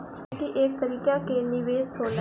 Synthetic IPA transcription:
kiʔek̚t̪əɾiːkaːkeːniʋeːshoːl

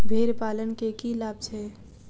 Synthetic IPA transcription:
bʱeɾpalənkekilab̚t͡ʃʰɛ

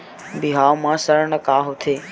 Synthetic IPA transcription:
biɦawmãːsəɾɳəkaːɦot̪ʰeː

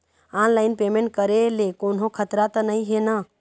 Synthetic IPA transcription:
anlaːɪnpeːmẽɳʈ̚kəɾelekoːnɦõkʰət̪ɾat̪ənəĩɦena

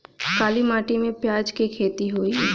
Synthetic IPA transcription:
kaːlimaːʈimẽpjaːd͡ʒkikʰeːt̪iɦoːi

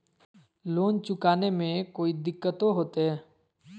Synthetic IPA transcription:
loːnt͡ʃʊkaːnemẽkoːid̪ɪkːət̪oɦoːt̪eɦɛː

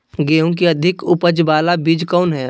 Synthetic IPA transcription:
ɡeːõk̬iɐd̪ʱɪkʊpəd͡ʒbaːlabiːd͡ʒkɔːnɦɛː

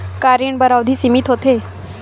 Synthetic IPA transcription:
kaɾiɳbəɾaʋd̪ʱiːsimit̪ɦot̪e

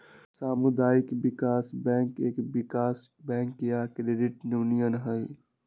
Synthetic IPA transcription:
saːmʊd̪aːɪkbɪkaːsbɛ̃ːŋkeːkbɪkaːsbɛ̃ːŋkjakɾeɖɪʈnjuːnijənɦəi

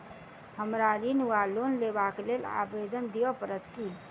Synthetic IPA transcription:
həmɾaɾinualoːnleːbaklela̰ːbeːd̪ənd̪ijopəɾət̪ki

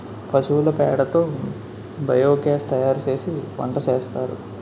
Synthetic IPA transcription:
pɐt͡ʃuːulɐpɛːɽɐt̪o̞ː | bʱɐjoːkeːst̪ɐjaːɾut͡ʃe̞ːsiʋɐ̰ɳʈɐt͡ʃeːst̪aːɾṵ

